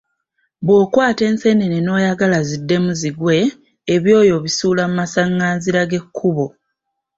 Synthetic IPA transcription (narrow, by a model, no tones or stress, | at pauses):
βwo̞ːkwaːte̞ːnse̞neneno̞ːjaɡalazidːe̞muziɡwe̞ː | βjo̞ːjo̞βisuːlamumasaŋːaːziɾaɡe̞kʰːuβo̞